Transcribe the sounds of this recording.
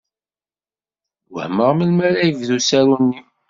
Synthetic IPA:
wə̰hməʁməlmæɾæjəvðusæɾunːi

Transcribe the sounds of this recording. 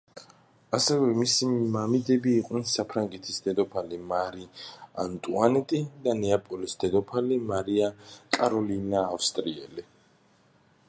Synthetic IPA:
asɛvɛmisimamid̪ɛbiːqʼnɛnsapʰɾaŋɡɛt̪ʰisd̪ɛd̪ɔpʰalimaɾia̰nt̪ʼuanɛt̪ʼid̪anɛapʼɔlisd̪̥ɛd̪ɔpʰalimaɾiakʼaɾɔlinaːfst̪ʼɾiɛli

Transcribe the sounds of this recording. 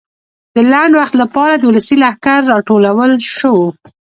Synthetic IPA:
d̪əlaɳɖwaxt̪lapɑɾad̪əwuləsilahkaɾːɑʈolawəlʃəwo

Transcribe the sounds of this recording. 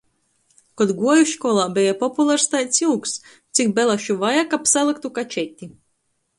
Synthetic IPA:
kɔd̪ɡuɔjuʃkɔlˠaːbʲɛjapɔpulˠaɾst̪ajt̪sʲiwks | t̪sikbɛlˠaʃuvajakapsalˠɨkt̪ukat͡ʃɛt̪ʲːi

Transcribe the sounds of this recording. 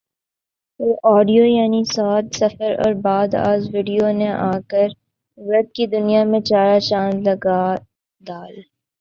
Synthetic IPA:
eːʔɔːɖijojaːnisaːt̪sɐfəɾɔ̰ːɾbaːd̪a̰ːzʋiːɖijoneʔaːkəɾ | ʋɾɐd̪̚kid̪ʊnijamẽt͡ʃaːɾat͡ʃãːnlɐɡa | d̪aːl

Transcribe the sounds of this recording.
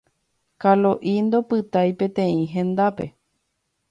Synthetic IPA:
kalo̞ʔind̪o̞pɨt̪ajpẽ̞t̪ẽ̞ĩɦẽ̞nd̪ape̞̰

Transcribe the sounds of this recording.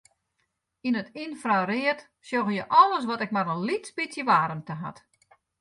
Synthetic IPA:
inətinfrarɪət | sjoɣəjəʔɔlˠəs̬ʋɔtɛk̚maɾənlitspisjəʋaːɾəmtəɦa̰t

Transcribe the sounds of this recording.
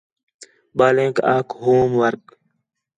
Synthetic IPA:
baːlẽːkaːkɦoːmʋɐɾk̚

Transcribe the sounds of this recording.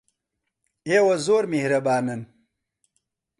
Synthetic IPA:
eːwɐzoːɾmehɾɐbaːnɐn

